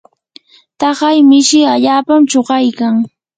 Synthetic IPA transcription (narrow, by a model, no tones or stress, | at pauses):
t̪ɑɢɑjmɪʃɪaʎaːpamt͡ʃoɢɑjkaŋ